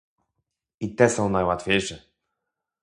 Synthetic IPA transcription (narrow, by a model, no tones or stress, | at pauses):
it̪ɛsɔ̃w̃najwat̪fʲjejʂɛ